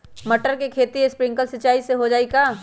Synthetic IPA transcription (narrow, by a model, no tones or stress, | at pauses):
mɐʈəɾkekʰeːt̪iespɾɪ̃ŋkəlsɪt͡ʃaːiseɦod͡ʒaːikaː